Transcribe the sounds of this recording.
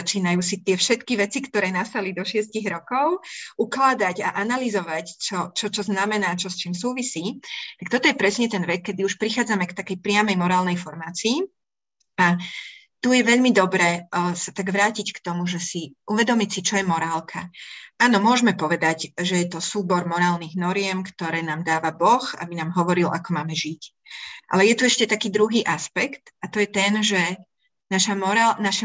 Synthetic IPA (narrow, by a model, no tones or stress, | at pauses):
at͡ʃiːnajuːsit̪ɪɛfʃɛt̪kiʋɛt͡sikt̪ɔɾɛːnast̪alid̪ɔʃɪɛsciɣɾɔkɔʊʔuklad̪aɟaʔanalizɔʋact͡ʃɔt͡ʃɔt͡ʃɔznamɛnaːt͡ʃɔst͡ʃiːmsuːʋisiːt̪ak̚t̪ɔt̪ɔjɛpɾɛsɲɛt̪ɛnʋɛk̚kɛd̪iuʃpɾixaːd͡zamɛkt̪akɛjpɾɪamɛjmɔɾaːlnɛjfɔɾmaːt͡siː | a | t̪ujɛʋɛʎmid̪ɔbɾɛːsat̪aɡʋɾaːcickt̪ɔmuʒɛsiʔuʋɛd̪ɔmicsit͡ʃɔjɛmɔɾaːlkʰa̰aːnɔmʊɔʒmɛpɔʋɛd̪aɟʒɛjɛt̪ɔsuːbɔɾmɔɾaːlniɣnɔɾɪɛmkt̪ɔɾɛːnaːmd̪aːʋabɔxa̰binaːmɦɔʋɔɾila̰kɔmaːmɛʒic | ʔa̰lɛjɛt̪uɛʃcɛt̪akiːd̪ɾuɦiːʔaspɛkt̪at̪ɔjɛt̪ɛnʒɛ | naʃamɔɾalnaʃɛ